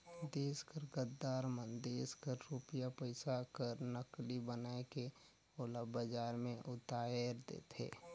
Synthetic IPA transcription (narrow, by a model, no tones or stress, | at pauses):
d̪eːskəɾɡət̪d̪aːɾmə̃nd̪eːskəɾːuːpijapəɪsakəɾnəklibənaːeke | oːlabəd͡ʒaːɾmẽʔʊt̪aːjəɾd̪ḛːt̪ʰḛː